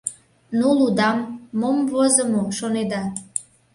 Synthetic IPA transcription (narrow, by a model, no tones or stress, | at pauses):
nulud̪ɑmːomvozəmoʃoned̪ɑ